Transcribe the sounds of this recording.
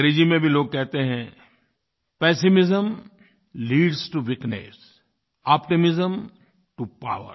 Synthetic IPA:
ɾed͡ʒimẽbʱiloːɡ̚kɛɦt̪eɦɛ̃ | pɛːsɪmɪzəm | liːɖsʈuʋɪknḛs | ɔːpʈɪmɪzəm | ʈupa̰ːʋə̰ɾ

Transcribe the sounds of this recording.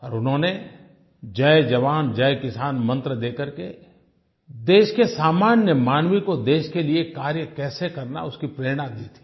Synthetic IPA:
ɔːɾʊnɦõːne | d͡ʒɐed͡ʒɐʋaːnd͡ʒɐjkɪsaːnmɐ̃nt̪ɾəd̪eːkəɾke | d̪eːʃkesaːmaːnjəmaːnwikod̪eːʃkeliekaːɾjəkɛːsekɐɾna̰ʊskipɾeːɾɽ̃ãd̪iːt̪ʰi̥ː

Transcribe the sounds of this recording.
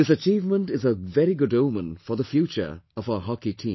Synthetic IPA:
ðɪsət͡ʃiːvmə̃ntɪzəvɛɾiɡʊdõʊmə̃nfəðəfjut͡ʃə̰˞ʌvaʊə˞ɦɑkitʰĩːm

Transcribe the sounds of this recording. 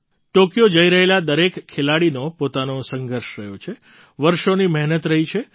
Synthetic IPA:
ʈokijod͡ʒəiɾəɦelad̪əɾekʰːelaɽinopot̪anosəŋɡʱəɾʃɾəjot͡ʃʰe | ʋəɾʃoniməɦnət̪ɾəɦit͡ʃʰe

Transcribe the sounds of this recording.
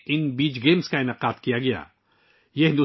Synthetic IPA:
ɪnbiːd͡ʒɡeːmskaɪnaqaːt̪kijaɡɐja̰ː | jeɦɪ̃nd̪

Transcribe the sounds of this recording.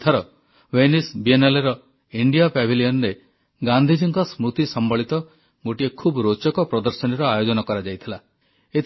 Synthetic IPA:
t̪ʰaɾɔ | wenisbieneleɾɔ | iɳɖijapɛbʱilijɔnɾe | ɡand̪ʱid͡ʒiŋkɔsmut̪isɔmbɔɭit̪ɔ | ɡoʈiekʰubɾot͡ʃɔkɔpɾɔd̪ɔɾsɔniɾɔajod͡ʒɔnɔkɔɾad͡ʒajt̪ʰila | et̪ʰ

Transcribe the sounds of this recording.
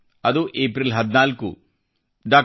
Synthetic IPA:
ɐd̪uʔeːpɾilɦɐd̪inaːlkṵ | ɖaː

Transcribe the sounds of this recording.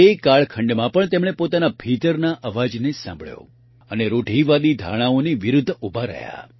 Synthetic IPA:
ekaɭkʰəɳɖmãpəɳt̪emɽ̃epot̪anabʱit̪əɾnaʔəʋad͡ʒnesã̰mbʱɭjo̰ | əneɾoʈiʋad̪id̪ʱa̰ɽ̃aoniʋiɾʊd̪ʱːubʱaɾə̰ja̰

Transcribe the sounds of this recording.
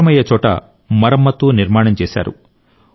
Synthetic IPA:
ɐmɐjɐt͡ʃɔːʈɐ̰ | mɐɾɐmːɐt̪ːuːniɾmaːɳɐmt͡ʃɛːsa̰ːɾṵ

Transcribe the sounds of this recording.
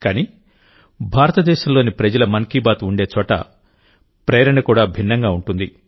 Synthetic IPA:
kaːniː | bʱaːɾɐt̪ɐd̪ɛːʃɐmloːnipɾɐd͡ʒɐlɐmɐŋkiːbaːt̪uɳɖe̞ːt͡ʃɔːʈɐ̰ | pɾɛːɾɐɳɐkuːɽaːbʱinːɐŋɡaːuɳʈund̪i

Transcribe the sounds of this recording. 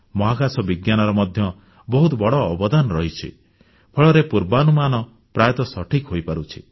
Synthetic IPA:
mɔɦakasɔbiɡjanɔɾɔmɔd̪ʱjɔ | bɔɦut̪ɔbɔɽɔːbɔd̪anɔɾɔɦit͡ʃʰḭ | pʰɔɭɔɾepuɾbanumanɔ | pɾajɔt̪ɔsɔʈʰikɦojpaɾut͡ʃʰi̥

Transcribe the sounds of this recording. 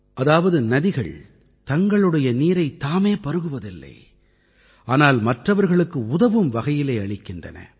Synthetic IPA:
ʔɐðaːʋɐðɯnɐðɪɣɐ̰ɭ | t̪ɐŋɡɐɭɯɽɐjɐniːɾɐɪt̪ːaːmeːpɐɾɯɣɯʋɐðɪlːɐ̰ɪ | ʔaːnaːlmɐʈrɐʋɐɾɣɐɭɯkːɯʊðɐʋɯmʋɐɣɐjɪlɐɪɐɭɪkːɪndrɐ̰nɐ̰

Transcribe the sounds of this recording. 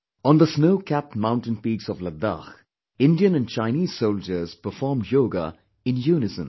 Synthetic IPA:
ə̃nd̪əsnoʊkʰæp̚tmãʊ̃nʈɪ̃npiːɡsɔʋləd̪a̰x | ɪ̃ndiə̃nə̃nt͡ʃãɪniːz̥soʊld͡ʒəz̥pəfɔːmjoːɡə̰ | ɪ̃njuːnɪzə̃m

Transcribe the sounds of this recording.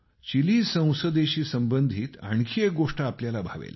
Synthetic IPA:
t͡ɕiliːsə̃w̃səd̪eɕiːsəmbənd̪ʱiːt̪a̰ɳkʰiːek̚ɡoʂʈəapljalabʱaʋḛl

